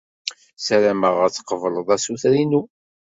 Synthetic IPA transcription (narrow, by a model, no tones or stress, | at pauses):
sæɾæməʁəɾt͡sːə̥qəvələðˤæsuθɾinu